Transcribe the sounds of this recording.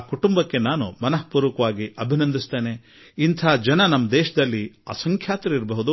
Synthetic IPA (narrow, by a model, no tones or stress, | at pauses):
kuʈumbɐkːe̞naːnumɐnɐɦpuːɾʋukɐʋaːɡiʔɐbʱinɐnd̪ist̪eːne̞ | int̪ʰaːd͡ʒɐnɐnɐmːɐd̪ɛːʃɐd̪ɐlːiaːsɐŋkʰjaːt̪ɾɐiɾɐbɐɦud̪u